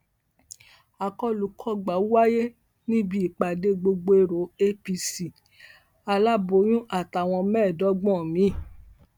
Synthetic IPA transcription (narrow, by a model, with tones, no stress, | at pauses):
a˨kɔ˦lu˨˦kʰɔ˦ɡ͡ba˨˦u˦wa˦je˦ | nĩ˦bi˦i˨k͡pa˨de˧˦ɡ͡bo˧ɡ͡bo˧e˧ɾo˨˦e˦pi˧si˨ | a˧la˦bo˨˦j̃ũ˦ʔa˦˨ta˨w̃ɔ̃˧mɛ̃ː˦˨dɔ˨˦ɡ͡bɔ̃˦˨mĩ˨˦˨